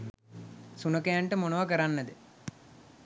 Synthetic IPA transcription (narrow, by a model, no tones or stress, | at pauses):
sunəkejaɳʈəmonoʋakəɾanːəd̪ə